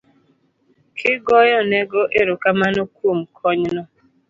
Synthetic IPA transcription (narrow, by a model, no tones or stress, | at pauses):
kʰɪɡɔjɔnɛɡɔʔeɾokamanɔkwomkʰɔɲnɔ